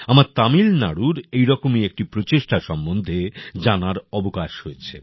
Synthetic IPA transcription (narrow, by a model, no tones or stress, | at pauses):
amaɾt̪amilna̰ɽuɾejɾɔkomiek̚ʈipɾot͡ɕeʃʈaʃɔmbond̪ʱed͡ʑanaɾɔbokaʃhojet͡ɕʰḛ